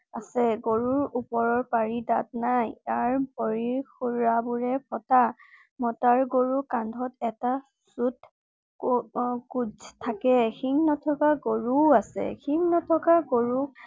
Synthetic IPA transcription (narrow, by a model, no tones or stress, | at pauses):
a̰sɛɡoɹuɹupɔɹɔɹpaɹida̰t̚najtaɹbɔɹixuɹabuɹɛpʰɔta | mɔtaɹɡoɹukandʱɔtɛta | sut | kud͡ʒtʰːakɛxiŋnɔtʰɔkaɡoɹuasɛ̰xiŋnɔtʰɔkaɡoɹu